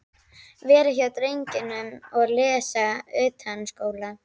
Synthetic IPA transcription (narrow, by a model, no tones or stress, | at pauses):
vɛːɾɪçjawt̪ɾejɲcɪnʏmɔɣlɛːsaœːt̪hanskoːwla